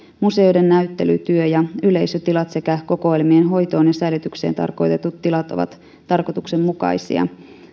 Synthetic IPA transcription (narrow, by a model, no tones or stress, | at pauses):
muse̞ojde̞nːæyt̪ːe̞̰ly̰t̪yøjɑyle̞jsøt̪ilɑt̪se̞kæko̞ko̞ilmienɦo̞jt̪o̞ːnjɑsæilyt̪ykse̞̰ːnt̪ɑ̰rko̞jt̪e̞t̪ut̪ːilɑt̪o̞̰ʋɑ̰t̪ː | ɑrko̞t̪ukse̞mmukɑ̰jsḭɑ̰